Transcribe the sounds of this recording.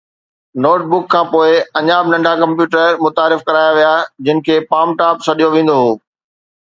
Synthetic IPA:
noːʈ̚bʊkʰːãːpoːɪɐɲaːbnɐ̃ɳɖʱakɐ̃mpjuːʈəɾmʊt̪aːɾɪfkɐɾaːjaʋijad͡ʑɪnɪ̆kʰeːpaːmʈaːpsɐɗijoʋẽːn̆d̪oɦoː

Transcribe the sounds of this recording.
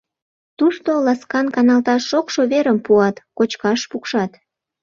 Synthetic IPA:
t̪uʃt̪olɑskɑnkɑnɑlt̪ɑʃokʃoβeɾəmpuɑt̪kot͡ɕkɑʃpukʃɑt̪

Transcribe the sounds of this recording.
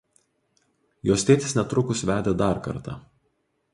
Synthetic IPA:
joːsʲt̪ʲeːt̪ʲɪsnʲɛt̪ɾʊkʊsʋʲæːd̪ʲed̪ɑˑɾkɐ̰ɾt̪ɑ̰

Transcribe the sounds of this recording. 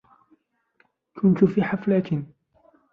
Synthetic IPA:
kʰʊnt̪ʊfiːħaflaːt̪ɪn

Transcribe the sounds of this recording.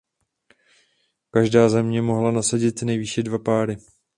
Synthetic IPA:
kaʒdaːzɛmɲɛmo̞ɦlanasaɟɪt̪nɛjviʃɛdvapaːɾɪ

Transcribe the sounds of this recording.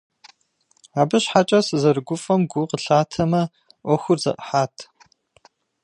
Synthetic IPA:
aːbɨɕħat͡ʃʼɐsɨzɐrɨɡʷʊfʼɐmɡʷʊqəɬaːtʰɐmɐ | ʔʷɔxʷʊrzɐ̰ʔħaːtʰ

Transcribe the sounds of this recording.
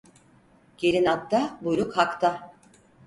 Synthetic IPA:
ɟ̥eɾinat̪ʰːabujɾukhakt̪ʰa

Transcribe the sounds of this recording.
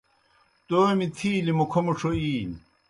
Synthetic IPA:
t̪oːmit̪ʰiːlimokʰomuʂoiːl

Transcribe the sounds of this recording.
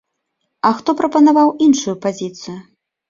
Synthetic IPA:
ɐxt̪ɔpɾɐpɐnavawinʂujupazʲit̪sɨjʊ

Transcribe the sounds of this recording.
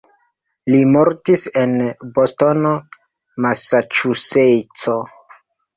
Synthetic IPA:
limoɾtisenbosto̞no | masat͡ʃusejt͡so

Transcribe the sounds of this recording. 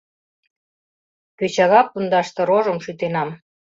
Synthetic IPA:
køt͡ɕɑɣɑpːund̪ɑʃt̪ɤ̆ɾoʒə̆mʃyt̪enɑm

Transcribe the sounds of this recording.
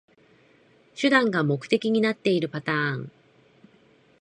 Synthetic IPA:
ɕɨd̪ãŋɡamo̞kɯ̟̥t̪e̞kʲiɲ̟inat̪ːe̞iɾɯ̟pat̪ãːŋ

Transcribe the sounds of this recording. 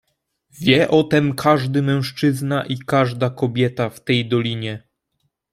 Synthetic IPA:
vʲjɛʔɔt̪ɛmkʰaʐd̪ɘmɛ̃w̃ʂt͡ʂɘznaʔikaʐd̪akɔbʲjɛt̪aft̪ɛjd̪ɔlʲiɲɛ

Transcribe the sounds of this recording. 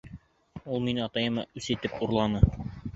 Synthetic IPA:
ulˠminɑt̪ɑjɤmɑ̰ʔʉsɘ̆t̪ɘpuɾlˠɑnɤ

